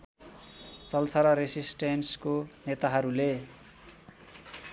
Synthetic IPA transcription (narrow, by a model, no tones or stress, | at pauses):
t͡sʌlt͡sʰʌɾʌɾesisʈenskonet̪aɦʌɾule